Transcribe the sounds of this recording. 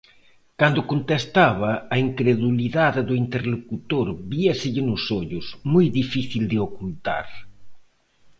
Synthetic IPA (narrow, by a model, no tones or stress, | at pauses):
kand̪ʊkont̪est̪aβɐːiŋkɾeðuliðaðɪðʊint̪eɾlokut̪oɾbiɐsɪʎɪnʊsoʎʊsmojðifiθild̪ɪokult̪a̰ɾ